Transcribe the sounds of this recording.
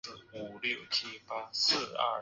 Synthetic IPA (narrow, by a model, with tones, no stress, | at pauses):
u˨˩ljo˥˨ʊt͡ɕʰi˥pa˦˥s̩˥˧ɐ̰˥˩